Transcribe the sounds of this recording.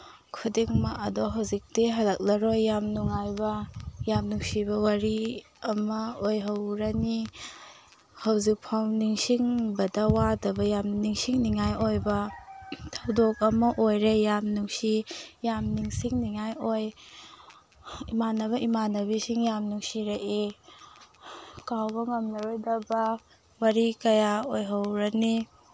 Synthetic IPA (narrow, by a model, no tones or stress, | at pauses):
kʰudiŋmaʔɐdoɦɐwzik̚tiɦɐlɐk̚lɐɾojːamnuŋajbɐjamnuŋsibɐwaɾi | ɐmɐojɦɐwɾɐni | hɐwzik̚pʰawniŋsiŋbɐdɐwadɐbɐjamniŋsiŋniŋajojbɐ | tʰawdok̚ɐmɐʔojɾejamnuŋsijamniŋsiŋniŋajoj | imanɐβɐʔimanɐβisiŋjamnuŋsiɾɐʔi | kawbɐŋɐmnɐɾojdɐbɐ | wɐɾikɐjaojɦɐwɾɐni